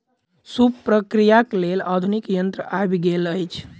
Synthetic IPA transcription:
supɾəkɾijaklelad̪ʱunikjənt̪ɾəʔabɡeləjt͡ʃʰ

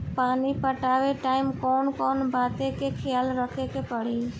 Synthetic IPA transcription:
paːnipəʈaʋeʈaːɪmkɔːnkɔːnbat̪ekekʰɪjaːlɾəkʰekepəɽ̤i

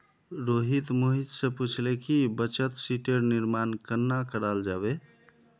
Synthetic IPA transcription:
ɾoɦit̪moɦit̪sẽput͡ʃʰlekibət͡ʃət̪siʈeɾniɾmankənːakəɾald͡ʒaβe

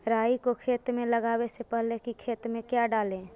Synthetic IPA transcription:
ɾaːikokʰeːt̪mẽləɡaːwesepəɦlekikʰeːt̪mẽkjaɖaːlẽː

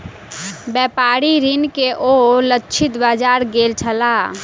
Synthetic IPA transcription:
bɛpaɾiɾinkeʔolətːt͡ʃʰit̪bad͡ʒaɾɡelt͡ʃʰəla

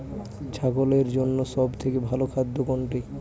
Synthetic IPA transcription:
t͡ɕʰaɡoleɾd͡ʑonːoʃɔbt̪ʰekebʱalokʰad̪ʱːokoɳʈi

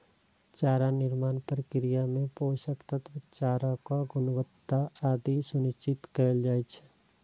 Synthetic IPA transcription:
t͡ʃaːɾanɪɾmaːnpəɾkɾijamẽpoːʃəkt̪ət̪ʰʋɪt͡ʃaːɾãkaɡʊnwət̪ːaaːd̪isʊnɪʃt͡ʃɪt̪kɛld͡ʒaːɛt͡ʃʰɛ̥

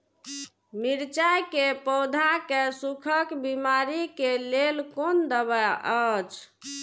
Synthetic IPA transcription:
miɾt͡ʃajkepɔwd̪ʱakesukʰəkbimaɾikelelkond̪əbəət͡ʃʰ

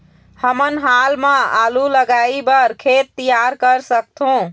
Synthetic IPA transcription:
həmənɦalmẽa̰luləɡaibəɾkʰet̪ːijaɾkəɾsəkt̪ʰũ

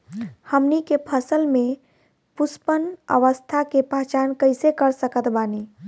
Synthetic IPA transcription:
həmnikepʰəsəlme | puspənə̰ʋəst̪ʰakepaɦt͡ʃankəɪsekəɾsəkət̪bani

